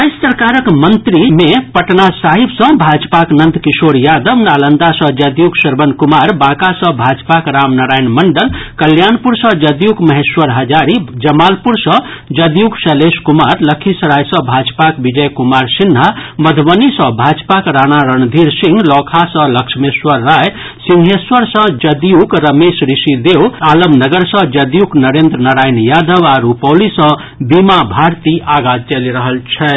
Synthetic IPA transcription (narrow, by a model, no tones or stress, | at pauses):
ajssəɾkaɾəkmənt̪ɾimepəʈnasaɦibsə̃bʱad͡ʒpaknənd̪kisoɾjad̪əʋnalənd̪asʌ̃d͡ʒəd̪juɡsəɾbənkumaɾbãkasə̃bʱad͡ʒpakɾamnəɾajnməɳɖəlkəljanpuɾsə̃d͡ʒəd̪juɡməɦeswəɾɦəd͡ʒaɾid͡ʒəmalpuɾsə̃ | d͡ʒəd̪juksəleskumaɾləkʰisɾajsə̃bʱad͡ʒpakbid͡ʒəjkumaɾsinɦaməd̪ʱbənisə̃bʱad͡ʒpakɾanaɾənd̪ʱiɾsĩŋɡlɔkʰasə̃ləkʃʰmeswəɾːaj | siŋɦeswəɾsə̃d͡ʒəd̪jukɾəmesɾisid̪ewaləmnəɡəɾsə̃d͡ʒəd̪juknəɾend̪ɾənəɾajinjad̪əʋaɾupəwlisə̃ | bimabʱaɾt̪iʔaɡad͡ʒt͡ʃeliɾəɦəlt͡ʃʰɛ